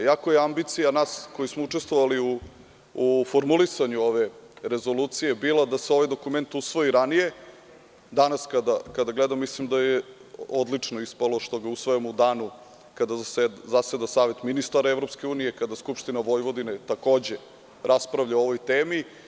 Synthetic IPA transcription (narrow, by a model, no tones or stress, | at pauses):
jakojeambit̪sijanaːsko̞jismouʈ͡ʂest̪ʋoʋaliuː | foɾmulisaɲuo̞ʋe̞ɾe̞zo̞luːt̪sije̞bilad̪aseo̞ʋajd̪o̞kument̪usʋo̞iɾanije̞ | d̪anaskad̪akad̪aɡlɛd̪amːislimd̪ajeod̪lit͡ʂnoispalˠo̞ʃt̪o̞ɡausʋojamud̪aːnu | kad̪azased̪asaːʋe̞t̪minist̪aɾaevɾo̞pske̞uːnijekad̪askupʃt̪inaʋo̞jʋo̞d̪inet̪ako̞ːd͡ʑe̞ | ɾaspɾavʎaoo̞ʋo̞jt̪eːmi